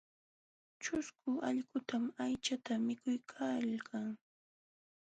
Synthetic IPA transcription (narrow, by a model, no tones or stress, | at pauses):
t͡ʃʊskʊaʎɢʊt̪amajt͡ʃat̪amɪkʊjkʰalkʰaŋ